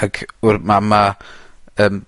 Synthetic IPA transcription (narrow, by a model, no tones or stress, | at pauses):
aɡʊrmama | əːm